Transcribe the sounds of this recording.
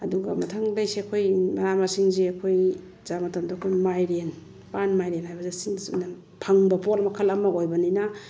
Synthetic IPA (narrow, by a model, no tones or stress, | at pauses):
ɐduɡɐmɐtʰaŋdajseɐkʰojmɐɾamasiŋziɐkʰoj | zamɐtamdaɐkʰojmajɾen | panmajɾenhajbɐzesiŋsṵna | pʰaŋbɐpolmɐkʰɐlɐmːɐɡojbɐnina